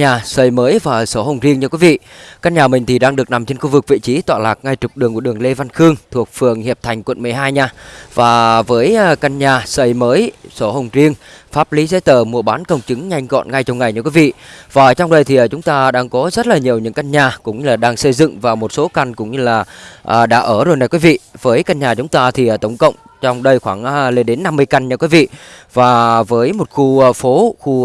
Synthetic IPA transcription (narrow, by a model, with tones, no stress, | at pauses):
ɲaː˨˩səː˧˩jməː˨˦jvaː˨˩˨so˨˧˦hə˨˧˩wŋ͡mzi˧əŋɲɨ˧kwi˨˦vḭ˧˨ka˧nɲaː˨˩mï˨˩ŋ̟t̪ʰi˨˩ɗaː˧ŋɗɨ˨˩ək̚na˨˩mt͡ɕe˧nxu˧vɨ˨˩k̚vḭ˧˨t͡ɕi˨˦t̪wa̰ː˧˨laː˨˩k̚ŋa˧jt͡ɕʊ˨˩k͡p̚ɗɨ˨˩əŋku˧˩əɨ˨˩əŋle˧va˧nxɨ˧əŋt̪ʰu˨˩ək̚fɨ˨˩əŋhi˨˩əp̚t̪ʰa˨˩jŋ̟kwə˧˨nmɨ˨˩əjɦaː˧jɲaː˧vaː˨˩vəː˨˦jka˧nɲaː˨˩sə˧˩jməː˨˦jso˨˦ɦə˨˩wŋ͡mzi˧əŋfaː˦˥p̚li˨˦zḛ˧˦˥jt̪əː˨˩mu˨˩əɓaː˨˦nkə˧wŋ͡mt͡ɕɨ˨˦ŋɲa˧jŋ̟ɣɔ̰˧˨nŋa˧jt͡ɕŋ͡mŋa˨˩jɲɨ˧kwi˨˦vḭ˧˨vaː˨˩t͡ɕwŋ͡mɗə˧jt̪ʰi˨˩ʔəː˨˩t͡ɕʊ˨˦ŋ͡mt̪aː˧ɗaː˧ŋkɔ˨˦zə˦˥t̚laː˨˩ɲi˨˩əwɲɨ̰˧˥ŋka˧jŋ̟ɲaː˨˩kʊ̰˧˥ŋ͡mɲɨ˧laː˨˩ɗaː˧ŋsə˧jzɨ̰˧˨ŋvaː˨˩mo˨˩t̚so˨˦ka˧ŋ̟kʊ̰˧˥ŋ͡mɲɨ˧laː˨˩ʔəː˨˩ɗa̰ː˧˥ʔəː˧˩zo˨˩jna˨˩jkwi˨˦vḭ˧˨vəː˨˦jka˧n̟ɲaː˨˩t͡ɕʊ˨˦ŋ͡mt̪aː˧t̪ʰi˨˩ʔə˨˩t̪ə˧˩wŋ͡mkə̰˧˨wŋ͡m | t͡ɕɔ˧wŋ͡mɗə˧jxwaː˧˩ŋʔle˧nɗe˨˦nːa˧mːɨ˧əjka˧jn̟ɲɨ˧kwi˨˦vḭ˧˨vaː˨˩vəː˨˦jmo˨˩t̚xu˧fo˨˦xu˧